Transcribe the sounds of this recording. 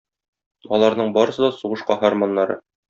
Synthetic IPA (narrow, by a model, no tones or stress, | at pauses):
ɒlˠɑɾnɤɴbɒɾɤ̆sɤ̆d̪ɒsuʁɤ̆ʃqɑɦormonːɑɾɤ̰